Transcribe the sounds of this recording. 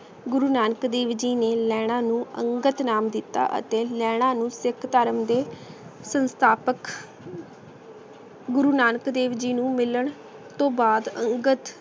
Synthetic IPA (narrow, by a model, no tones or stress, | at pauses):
ɡʊɾuːnaːnəkd̪eːʋd͡ʒiːneːlɛːɽ̃ãːnũːə̰ŋɡət̪naːmd̪ɪt̪ːa̰ːʔə̰t̪eːlɛːɽ̃ãːnũːsɪkʰt̪əɾəmd̪eːsənst̪ʰaːpək | ɡʊɾuːnaːnəkd̪eːʋd͡ʒiːnũːmɪləɳ | t̪õːbaːd̪əŋɡət̪